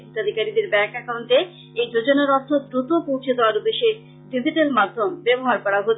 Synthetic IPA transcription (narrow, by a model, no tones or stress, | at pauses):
t̪ad̪ʱikaɾid̪eɾbɛkakawnʈ̪e | ejd͡ʑod͡ʑonaɾɔɾt̪ʰod̪ɾut̪opowt͡ɕʰed̪eaɾud̪eʃe | ɖid͡ʑiʈelmad̪ʱːombɛboɦaɾkɔɾaɦot